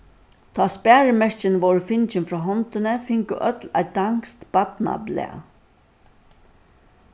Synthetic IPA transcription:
t̪ʰaːspæːɹɪmɛʂt͡ʃɪnʋɔwɹʊfɪnt͡ʃɪnfɹɔːɦɔnt̪ɪnɪfɪŋkʊʔœ̰t̪la̰j̚d̪aŋst̪b̥at̪na̰blɛ̰ː

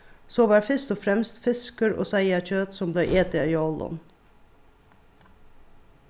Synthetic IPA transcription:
soːʋɑːɾfœst̪ɔfɾɛmst̪fɪskəɾo̰ːsæɪɑc͡çøːt̪sɔmbleɪʔeːt̪ɪiːɔlɔ̰n

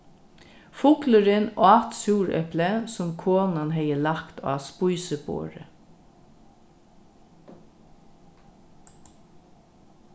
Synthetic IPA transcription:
fʊkləɾɪnɔɑt̪suːɹœ̰pləsʊmkʰoːnanɦɛjəlakt̪ʰɑ̰ːspʊjsəbo̰ːɹə̰

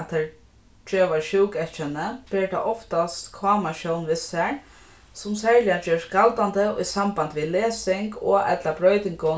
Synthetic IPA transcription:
t̪ʰːɛɹ | t͡ʃøːʋaɹʃuwkɛt͡ʃənəpɪɹt̪ʰa̰ʔɔft̪ast̪kʰvaːmaʃɔwnʋɪsɛɹ | sʊmsɛɹlɪjad͡ʒøːɹskalt̪ant̪əʊ̰jsambant̪ʋileːsɪŋkɔʔɛ̰t̪labɾœːɥt̪ɪŋkʊ

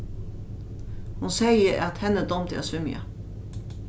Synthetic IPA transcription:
hʊnsɛɪəɾɑt̪hɛnəd̪ɔmt̪æ̰ːsʉmɪɑ̰

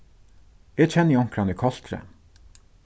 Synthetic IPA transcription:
jæc͡çʰɛnjɑŋkɾɑnikʰɑst̪ɾə̰

